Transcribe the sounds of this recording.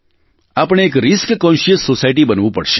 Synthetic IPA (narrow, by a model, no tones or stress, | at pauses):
aːpɽ̃eːkɾɪskkɔ̃nʃiəsːosaːjʈ̬ibənʋupɐɽʃe̥